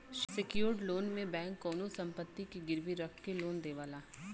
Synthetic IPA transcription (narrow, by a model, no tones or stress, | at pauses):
ʃsɪkjoːɾɖloːnmẽbɛ̃ːŋkːɔːnosɐ̃mpət̪ːikiɡɪɾʋiɾɐkʰkeloːnd̪eːʋaːlaː